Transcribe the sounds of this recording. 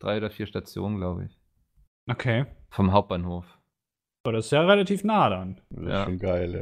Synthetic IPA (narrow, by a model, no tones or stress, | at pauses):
d̥ʁaɪoːdɐfiːɐʃtat͡sjo̰ːnənɡlaʊbə̰ɪ̰ç | ʔokʰeːfɔmɦaʊp̚b̥aːnhoːf | odasɪ̥sjaʁelatʰiːfnaːɾanjaʃoːnɡaɪl